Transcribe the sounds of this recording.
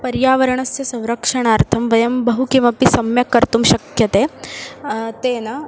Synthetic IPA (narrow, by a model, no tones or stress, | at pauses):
pɐɾjaːʋɐɾɐɳɐsjɐsɐ̃w̃ɾɐkʂɐɳaːɾt̪ʰɐmʋɐjɐmbɐɦukimɐpisɐmjɐkɐɾt̪umʃɐkjɐt̪eː | t̪eːnɐ